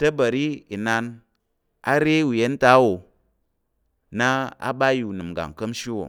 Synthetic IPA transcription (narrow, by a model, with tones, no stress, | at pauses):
tɐ˦ba˨ɾi˦i˨na˧n | a̰˦ɾe˦wu˨je˦n˦ta˦wo˨ | na˦a̰˦ba˦u˨nɨ˨mɡa̰˨ŋkə˦mʃi˦wo̰˨